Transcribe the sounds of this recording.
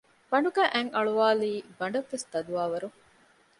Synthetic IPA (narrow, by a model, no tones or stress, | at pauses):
pɐɳɖuɡæʔæŋɐɭuʋaːliːbɐɳɖɐʋːest̪ɐd̪uʋaːʋɐɾu